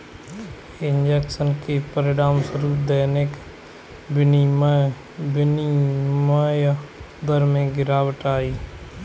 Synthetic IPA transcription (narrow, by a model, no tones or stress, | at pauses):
ɪnd͡ʒeːksənkepəɾɪɖaːmsəɾuːd̪eːneːk | bɪnim | bɪniːməj | d̪əɾmẽːɡɪɾaːwəʈaːiː